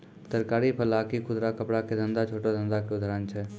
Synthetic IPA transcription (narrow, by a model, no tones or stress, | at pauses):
t̪əɾkaːɾipʰəlakikʰʊd̪ɾakəpɽaked̪ə̃nd̪at͡ʃʰoːʈad̪ə̃nd̪akeʊd̪ʱaɾənt͡ʃʰɛ